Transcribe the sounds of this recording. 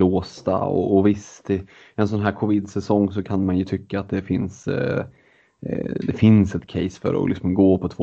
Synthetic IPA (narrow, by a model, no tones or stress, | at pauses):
loːst̪a̰ɔ̰ːvɪst̪ɪ | ɛns̬ɔnɦæːɾkʰɔvɪd̪sɛsɔŋːsɔkʰanmanjɵt̪ʰʏkːaaːt̪̚d̪ɛfɪns | d̪ɛfɪnsɛt̪kʰɛɪsfœ̰ɾɔ̰lɪksɔmɡoːpʰɔt̪ʰvoː